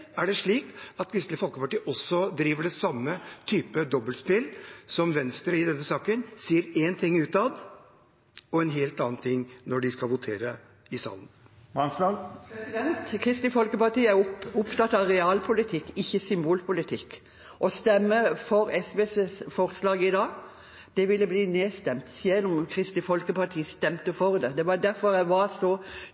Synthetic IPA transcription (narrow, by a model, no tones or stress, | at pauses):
æɖɛʂɭiːkɑt̪kʰɾɪst̪lɪfɔlkəpɑʈiːʔɔsɔd̪ɾiːʋəɖɛsɑmːət̪ʰyːpəd̪ɔbəlspɪlsɔmʋɛnst̪ɾəɪd̪ɛnːəsɑːkənsiːəɾeːnt̪ʰɪŋːʉːt̪ɑd̪ | ɔɛnɦeːlt̪ɑːnt̪ʰɪŋːnɔɖɪskɑlʋʊt̪ʰeːɾə | ɪsɑ̰ːlən | mɑnsɑlpɛsɪd̪ɛnt̪kʰɾɪst̪ɪfɔlkəpɑt̪iːəæʊʊpt̪ʰɑt̪ːɑʋɾɛɑːlpʰʊlɪt̪ʰɪkːɪçːəsʏmbuːlpʰʊlɪt̪ʰɪkː | ʔɔst̪ɛmːəfɔɾɛsʋeːssfɔɾslɑːɡɪd̪ɑːɡ | d̪̥ɛʋɪlːəbliːneːst̪ɛmt̪siɛlːʊmkʰɾɪst̪ɪfɔlkəpɑt̪ʰiːəst̪ɛmt̪əfɔɾd̪ɛd̪ɛʋɑd̪æɾfɔɾæɪʋɑɾsɔ